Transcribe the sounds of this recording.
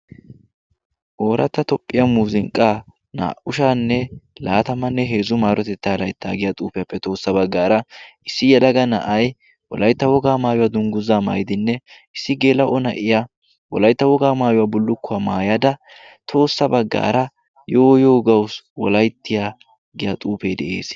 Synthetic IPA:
ʔo̞ːɾʔɐ̰t̪ːɐt̪ɔpʼːɪjamuːzɪŋkʼːaː | na̰ːʔʊʃaːnːɛlaːt̪ɐmɐnːɛɦe̞ːzʊmaːɾɔt̪ɛt̪ːaːlɐjt̪ːaːɡɪjat̪ʼuːpɪjapːɛt̪o̞ːsːɐbɐɡːaːɾɐɪsːɪjɛlɐɡɐnɐ̰ʔɐj | wɔ̰lɐjt̪ːɐwɔɡaːmaːjʊwaːd̪ʊŋɡʊzaːma̰ːjd̪ɪnːɛ | ɪsːɪɡe̞ːlɐʔɔnɐ̰ʔɪja | wɔ̰lɐjt̪ːɐwɔɡaːmaːjʊwabʊlːʊkːʊɐmaːjɐd̪ɐ | t̪ʰo̞ːsːɐbɐɡːa̰ːɾɐ | joːjoːɡɐwswɔlɐjt̪ːɪjaː | ɡɪjat̪ʼuːpeːd̪ɛʔḛːs

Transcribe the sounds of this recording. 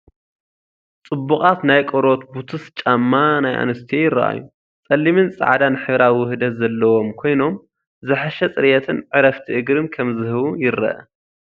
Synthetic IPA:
t͡sʼɨbːukʼat̪najkʼoɾo̞t̪but̪ʰɨst͡ʃʼamːanajʔa̰nɨst̪ʰiejɪɾɐ̰ʔa̰jːu | t͡sʼɐlːimɨnsʼa̰ʕad̪anɨħɨβɾawwʊhɨd̪ɐt̪zɐlːɐwo̞mkʰo̞jno̞m | zɨħaʃɛt͡sʼɨɾjɛt̪ʰɨnʕɨɾɐft̪ʰiʔɨɡɾɨnkʰɐmzɨɦɨβujɪɾːɐ̰ʔɐ̰

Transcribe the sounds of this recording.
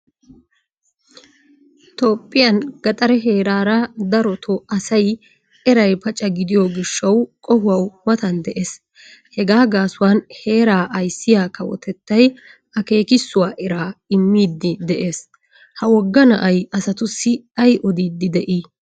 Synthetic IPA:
t̪oːpʼːɪjɐnɡɐt̪ʼɐɾɛɦe̞ːɾaːɾɐd̪ɐɾɔt̪ʰɔɐsɐj | ɛɾɐjpɐt͡ʃʼːɐɡɪd̪ɪjɔɡɪʃːɐwkʼɔhʊwɐwwɐt̪ɐnd̪ɛʔe̞ːs | hɛɡaːɡaːsʊwaːnhe̞ːɾaːʔɐjsːɪjaːkɐwɔ̰t̪ɛt̪ːɐj | ɐke̞ːkɪsːʊwaːʔɛɾaːɪmːiːd̪ːɪd̪ɛʔe̞ːs | hɐwɔɡːɐnɐʔɐjɐsɐt̪ʊsːɪɐjʔɔd̪iːd̪ːɪd̪ɛʔiː

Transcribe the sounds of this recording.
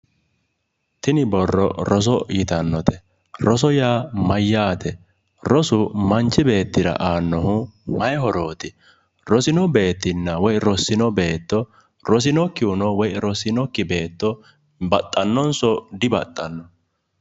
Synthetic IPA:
t̪ɪnɪbɔrːɔ̰ɾɔs̬ɔjɪt̪ɐnːɔt̪ɛ̥ | ɾɔs̬ɔjaːmɐjːaːt̪ʰɛ | ɾɔsʊmɐnt͡ʃːɪbe̞ːt̪ːɪɾɐ̰ʔaːnːɔhʊmɐjhɔɾo̞ːt̪ɪ | ɾɔsɪnɔbe̞ːt̪ːɪnːɐwɔjɾɔsːɪnɔbe̞ːt̪ːɔ | ɾɔs̬ɪnɔkːɪʊnɔwɔjɾɔsɪnɔkːɪbe̞ːt̪ːɔ | bɐt̪ʼːɐnːɔnsɔd̪ɪbɐt̪ʼːɐnːɔ

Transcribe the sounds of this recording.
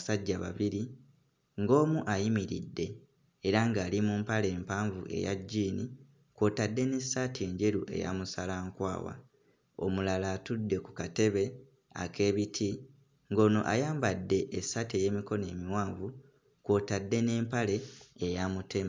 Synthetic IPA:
saɟːaβa̰βiɾi | ŋɡo̞ːmuʔajimiɾḭdːe̞ː | ɾaŋɡaːlimumpale̞ːmpaːɱvṵʔe̞̰ja̰ɟːiːni | kwo̞ːtadːe̞ne̞saːtʰe̞ːɲɟe̞ɾuʔe̞̰ja̰musalaːŋkwa̰ːwa̰ | o̰mulalaːtudːe̞ku̥kate̞βe | a̰ke̞ːβitʰi | ŋɡo̞ːno̞̰ʔa̰jaːmbadːe̞ʔːsateje̞ːmiko̞ne̞ːmiwaːɱvu | kwo̞tadːe̞ne̞ːmpale̞ːjamute̞m

